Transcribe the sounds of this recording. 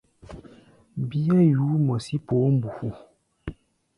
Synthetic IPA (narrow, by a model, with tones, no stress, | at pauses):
bi˦a˦ju˨˦mɔ˨si˦poː˨˦m̩˦bu˨hu˨